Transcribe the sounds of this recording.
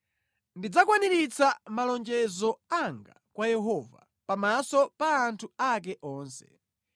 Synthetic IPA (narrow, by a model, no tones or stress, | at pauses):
ndid͡zakwaniɾit͡sʰamalɔnd͡ʒɛzɔaŋɡa̰kwajɛɦɔva̰ | pamasɔpaːntʰuak̬ɛʔɔːnsɛ̥̰